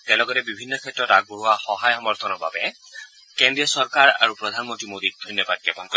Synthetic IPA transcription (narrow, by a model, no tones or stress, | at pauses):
tɛ̃lɔɡɔtɛbibʱinːɔkʰɛtːɹɔtaɡ̚boɹuwaxɔɦajxɔmɔɹt̪ʰɔnɔɹba̰bɛ | kɛndɹiɔsɔɹkaɹa̰ɹupɹɔdʱanmɔntɹimodik̚dʱojnjɔbad̚kɛpɔnkɔ